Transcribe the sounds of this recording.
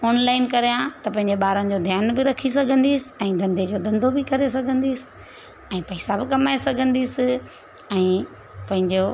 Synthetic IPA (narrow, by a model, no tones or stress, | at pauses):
oːnlaːɪnkɐɾijãt̪ɐpɐ̃ɦɪ̃ɲ̆d͡ʑeɓaːɾənɪd͡ʑoːd̪ʱjaːnbɪɾɐkʰisɐɡʱə̃nd̪iːsɪ̥ɛ̃ːd̪ʱɐ̃nd̪ʱed͡ʑoːd̪ɐ̃nd̪ʱobɪkɐɾesɐɡʱə̃nd̪iːsɪ̥ | ɛ̃ːpɐɪsabɪkɐmaːesɐɡʱə̃nd̪iːsɪ | ɛ̃ː | pɐ̃ɦɪ̃ɲd͡ʑo